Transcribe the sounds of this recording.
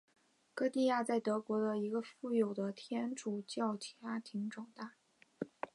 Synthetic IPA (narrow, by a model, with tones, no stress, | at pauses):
kɤ˥˧t̪i˥˧ja˥˧t͡sa˥˩ɪt̪ɤ˧˥kwɔ˧˥d̪ə˧i˧˥ɡə˧fu˥˩jo˨˩ʊd̪ə˦t̪ʰjɛ˥nʈ͡ʂu˨˩t͡ɕjɑ˥˩ʊt͡ɕʰa˥t̪ʰi˧˥ŋʈ͡ʂʊ˨˩ŋt̪a˥˩